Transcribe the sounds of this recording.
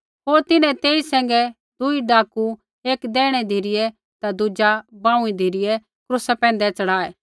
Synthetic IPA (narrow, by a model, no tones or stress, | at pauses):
ɦoːɾt̪ɪnɛ̃t̪eːisɛ̃ːŋ̆ɡɛ | d̪uiɖaːku | eːkd̪ɛ̃ːɽ̃ɛd̪ʱiɾɪjɛ | t̪ad̪ʊd͡ʒabãːũid̪ʱiːɾɪjɛ | kɾʊsapɛ̃ːn̆d̪ɛt͡ʃɐɽaːɛː